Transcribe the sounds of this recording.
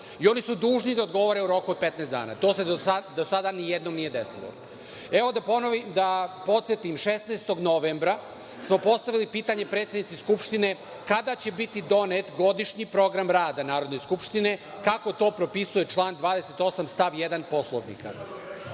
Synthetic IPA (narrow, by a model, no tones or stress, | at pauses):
io̞nisud̪uːʒnid̪aod̪ɡo̞ʋoɾe̞uɾo̞kuot̪pe̞t̪neszd̪a̰ːna̰t̪o̞ːseoad̪osad̪anijed̪no̞mnije̞d̪e̞sḭlˠo̰ | e̞ʋo̞d̪aponoʋimd̪apo̞t̪sjet̪imʃesneːst̪oɡno̞ʋembɾa | smo̞po̞st̪aʋilipiːt̪aɲe̞pɾet̪sed̪nit̪siskupʃt̪ine̞ | kad̪at͡ɕe̞bit̪id̪o̞net̪ɡo̞d̪iʃɲipɾo̞ɡɾamɾaːd̪anaːɾo̞d̪ne̞skupʃt̪ine̞ | kako̞t̪o̞ːpɾo̞pisuje̞t͡ʃlˠaːnd̪ʋaːd̪ese̞t̪o̞samst̪aʋjed̪anpo̞slˠoʋnḭka̰